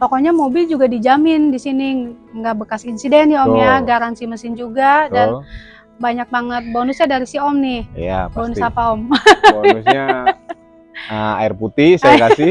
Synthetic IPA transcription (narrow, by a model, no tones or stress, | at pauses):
pokoɲamobɪld͡ʒuɡadid͡ʒamɪndisiniŋɡaʔbəkasinsidɛniɔmjaɡaɾansiməsɪnd͡ʒuɡadan | baɲak̚baŋət̪̚bonusɲadaɾisiɔmnɪha̰bbonʊapaɔm | a̰ɪrput̪ɪhsajakasɪ